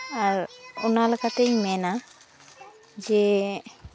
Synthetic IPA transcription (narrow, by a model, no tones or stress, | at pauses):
aɾɔnalɛkat̪eɲmɛna | d͡ʒɛ